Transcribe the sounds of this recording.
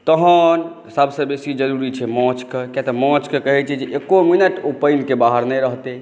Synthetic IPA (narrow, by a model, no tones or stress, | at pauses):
t̪əɦən | səbsə̃besid͡ʒəɾuɾit͡ʃʰɛmɔ̃t͡ʃkekjat̪ɔmɔ̃t͡ʃkekəɦɛt͡ʃʰɛd͡ʒeʔekominəʈopəjnkebaɦəɾnɛjɾəɦt̪e